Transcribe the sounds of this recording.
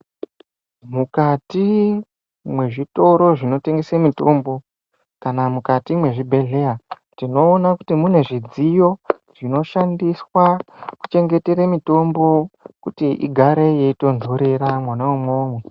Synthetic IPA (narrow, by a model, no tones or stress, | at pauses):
mukati | mwe̞ʐito̞ɾo̞ʐino̞te̞ŋɡesamito̞mbo̞ | kanamukatimwe̞ʐibʱe̞ɮe̞ja | tino̞ːnakutimune̞ʐid͡zijo̞ | ʐ̥ino̞ʃandiswaku̥t͡ʃe̞ŋɡe̞te̞ɾemito̞mbo̞kutiʔḭɡʱaɾe̞je̞ito̞nzoɾeɾamwanaumoːmwe